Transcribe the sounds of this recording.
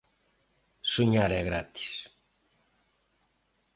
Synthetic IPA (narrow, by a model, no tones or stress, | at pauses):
suɲaɾɛɣɾat̪i̥s